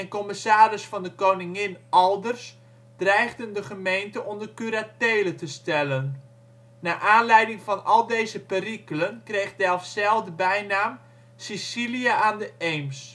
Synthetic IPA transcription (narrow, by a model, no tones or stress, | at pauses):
ɛnkɔməsaːɾɪsfɔndəkownɪŋɪnʔɔlˠdərs | d̥rɛjɣdəndəχəmejntəʔɔndərkyɾateːlətəstɛlənː | aːʔaːnlɛjdɪŋfɔnɔlˠdejzəpərikələnkrejχdɛlˠfsɛlˠvdəbɛjnaːm | sisiliaʔaːndəʔejms